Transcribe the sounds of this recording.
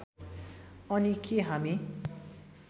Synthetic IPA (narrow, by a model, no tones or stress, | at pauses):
ʌnikʰeɦami